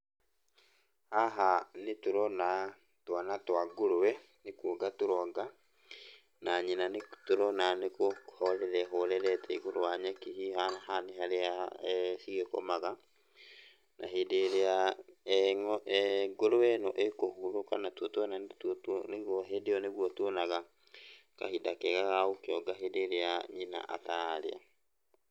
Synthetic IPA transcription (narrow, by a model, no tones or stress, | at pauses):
haɦanetoɾɔna | twanatwaɡoɾowɛ | nekwoɡatoɾɔɡa | naɲenanetoɾɔnanekohɔɾɛɾɛɦoɾɛɾɛtʰɛiɣoɾoaɲakihihanahaneɦaɾeasiɣeko̰maɣa | nʔaɦedeɾeaɛŋɔʔɛɡoɾowɛnɔʔekohuɾokanatwɔtoɔnattneɣɔɦedeɔneɣwɔtonaɣa | ka̰hidakɛɣaɣaokeɔɡaɦedeɾeaɲina̰ʔa̰taɾḛa̰